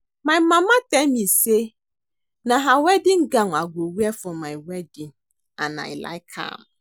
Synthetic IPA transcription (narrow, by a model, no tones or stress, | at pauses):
mãmãmãtɛ̃mĩse | nãɦawɛdĩŋ̩ɡãŋaɡowiɛfʊmãwɛdĩn | anã̰ɛ̰la̰jkʰa̰m